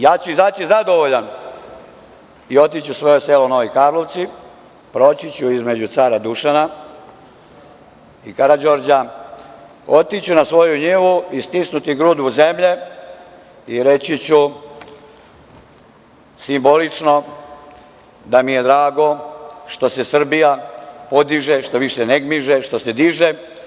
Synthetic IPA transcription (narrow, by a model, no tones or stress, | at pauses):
jaːt͡ɕuizat͡ɕizad̪o̞ʋoʎan | io̞t̪it͡ɕusʋo̞joselono̞ʋikaːɾlo̞ʋt̪si | pɾo̞t͡ɕit͡ɕuizme̞d͡ʑut̪saːɾad̪uʃana | ikaɾad͡ʒo̞ɾd͡ʑa | o̞t̪it͡ɕunasʋo̞juɲeʋuist̪isnut̪iɡɾud̪βuze̞mʎe̞ | iɾe̞t͡ɕit͡ɕu | simbo̞lit͡ʂno̞ | d̪amije̞d̪ɾaːɡo̞ʃt̪o̞sesr̩bijapo̞d̪iʒeʃt̪o̞ʋiʃeneɡmiʒeʃt̪o̞sed̪iʒe